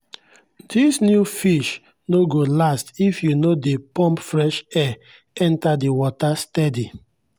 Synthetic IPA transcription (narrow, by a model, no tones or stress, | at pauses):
disnjufiʃ | noɡolastifjunodepɔ̃mpfɹɛʃɛ | ɛ̃ntadewɔtastɛdi